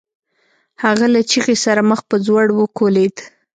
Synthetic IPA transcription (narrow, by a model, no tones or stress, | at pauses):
haɣalat͡ʃiɣesaɾaməxpəzwaɽwəkoled̪